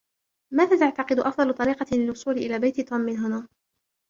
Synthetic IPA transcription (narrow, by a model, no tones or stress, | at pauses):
maːðaːt̪aʕt̪ɑqɨd̪ʊʔɑfd̪ˤɑlʊt̪ˤɑɾiːqɑlɪlwʊsˤuːlɪʔɪlaːbajt̪t̪uːmːɪnɦʊnaː